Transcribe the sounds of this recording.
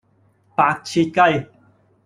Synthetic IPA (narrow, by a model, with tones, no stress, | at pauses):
pa˧˥k̚t͡ɕʰi˧t̪̚ka˥˧j